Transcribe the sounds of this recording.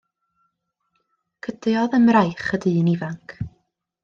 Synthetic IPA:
kʰəd̥jɔðəmrajχədiənivaŋkʰ

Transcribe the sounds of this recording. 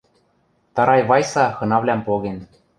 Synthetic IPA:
t̪ɑɾɑjβɑjsɑxɤ̆nɑvlʲæmpoɣen

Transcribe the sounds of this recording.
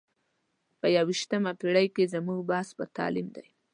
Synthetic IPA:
pəjawiʃt̪əmapiɽajkezamuɡbɑsbət̪ɑ̰limd̪aj

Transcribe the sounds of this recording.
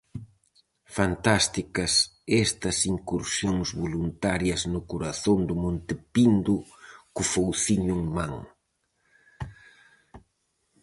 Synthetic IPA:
fant̪ast̪ikɐsɛst̪ɐsiŋkuɾsjoŋzβolunt̪aɾjɐznʊkuɾaθond̪ʊmõnt̪ɪpind̪ʊkʊfowθiɲʊŋmaŋ

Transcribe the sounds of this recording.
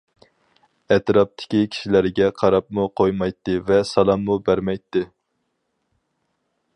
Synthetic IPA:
ɛt̪ɾɑp̚t̪ʰɪ̥kʲikʲʰi̥ʃilæɾɡʲɛqʰɑɾɑp̚muqʰojmɑjt̪ːɨvɛsɑlˠɑmːubæɾmɛjt̪ːɨ

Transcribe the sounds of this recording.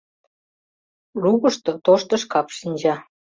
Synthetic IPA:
ruɣəʃt̪ot̪oʃt̪əʃkɑpʃinʲd͡ʑɑ

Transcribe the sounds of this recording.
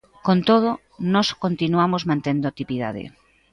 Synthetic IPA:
kont̪oð̞o | nɔskont̪inuamozmãnt̪end̪oat̪ipiða̰ðɪ̰

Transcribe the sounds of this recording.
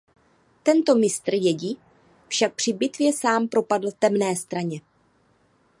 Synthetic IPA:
t̪ɛnt̪o̞mɪst̪r̩jɛɟi | fʃak̚pr̝̥ɪbɪt̪vjɛsaːmpɾo̞padl̩t̪ɛmnɛːst̪ɾaɲɛ

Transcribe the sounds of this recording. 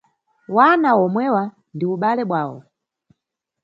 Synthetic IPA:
wanawɔmwɛwa | ndiuɓalɛɓwaːwɔ̰

